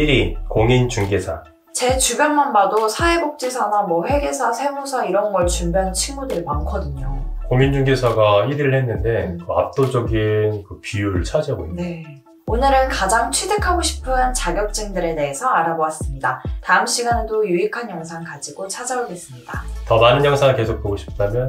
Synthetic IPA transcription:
iɾikoŋint͡ɕuŋɡesʰa̰ | t͡ɕe̞t͡ɕubjʌnmanbadosʰae̞bok̚t͡ɕ͈isʰanamwʌɸwe̞ɡe̞sʰasʰe̞mosʰaiɾʌnɡʌɭt͡ɕumbjʌnt͡ɕʰiŋmudɯɭmaŋkʰʌdɯɲokoŋind͡ʑuŋɡesʰaɡaiɾiɾɯɭhenːɯnde̞kɯa̰p̚t͈od͡ʑʌɡinkɯpiuɾɯɭt͡ɕʰad͡ʑaɡoinne | onɯɾɯnkad͡ʑaŋt͡ɕʰede̞kʰaɡoɕʰi̥pʰɯnt͡ɕaɡjʌk̚t͡ɕ͈eŋdɯɾe̞de̞ɦesʰʌaɾaboas͈ɯmɲidataɯmɕ͈iɡanɯdojuikʰanjʌŋsʰaŋkad͡ʑiɡot͡ɕʰad͡ʑaoɡe̞s͈ɯmɲidatʌnanɯnjʌŋsʰaŋke̞sʰok̚poɡoɕʰi̥p̚t͈amjʌn

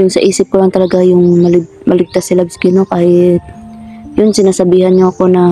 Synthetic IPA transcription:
jʊŋsɐʔiːsɪp̚kʊlaŋt̪ɐlɐɡajʊŋmɐl̚mɐlɪɡ̚t̪asɪlabskɪnokaːhɪt̪̚jʊnsɪnaːsɐbiːhanɲoʔɐko̞nɐ

